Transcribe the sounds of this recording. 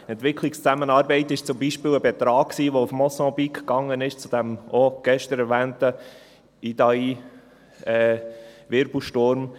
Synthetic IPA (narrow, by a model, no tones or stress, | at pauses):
ɛntʋɪkʰlɪkst͡sæmənɑːɾbɛɪtɪʃt͡sʊmbiʃpɪːləbɛt̪ɾɑːkksiːʋoufmɔsɑ̃bikːɑŋənɪʃt͡sud̥̪ɛmoɡ̥ɛʃtəɾɛɾvæːntə | id̥̪ɑi | ɛːvɪɾbl̩ʃtʊɾm